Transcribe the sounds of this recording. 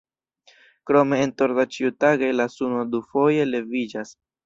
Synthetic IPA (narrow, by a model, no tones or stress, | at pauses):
kɾo̞me̞ːntoɾdat͡ʃiutaɡajlasunodufo̞je̞le̞vid͡ʒas